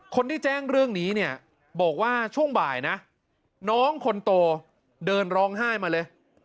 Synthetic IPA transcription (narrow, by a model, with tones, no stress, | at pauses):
kʰo˧nt̪ʰiː˥˩t͡ɕɛː˥˩ŋɾɯ˥˩əŋniː˦˥ni˥˩ə | bɔː˨˩k̚waː˥˩t͡ɕʰu˥˩əŋbaː˨˩jna˦˥ | nɔː˦˥ŋkʰo˧nt̪oː˧ | dɤː˧nɾɔː˦˥ŋɦaː˥˩jmaː˧lɤː˧j